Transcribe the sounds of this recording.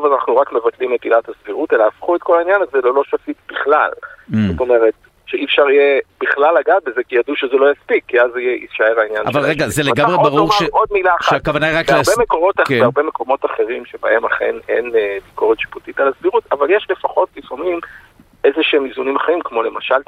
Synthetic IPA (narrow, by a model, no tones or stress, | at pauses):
ovalanaχnuʁakme̞vatlimetilatasviʁute̞laafχue̞t̚ko̞lainjanazelolo̞ʃafitbiχla̰lzoto̞me̞ʁet | ʃeʔifʃaʁijeb̥iχlalːaɡat̚be̞zekijaduʃezelo̞jaspikːiazijeiʃaeʁainjanaʃvalʁeɡazeleaɡamʁebaʁuʁeod̪̚milaːχʃaakavanaiʁaklaʁbemeko̞ʁo̞takbeaʁbeme̞ko̞mo̞t̪aχe̞ʁimʃebae̞maχe̞̰ne̞̰nbiko̞ʁet̪ʃi̥putitalasviʁutavaljeʃle̞faχo̞tlifamim | e̞zeʃeemizunimaχaʁimkmo̞le̞maʃal